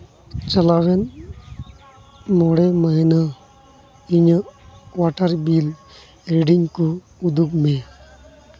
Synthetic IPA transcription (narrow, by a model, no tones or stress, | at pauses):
t͡ʃəlawɛn | mɔɽɛmaɦina | iɲəʔwaʈaɾbil | ɾeɖiŋkɔ | ud̪uk̚mɛ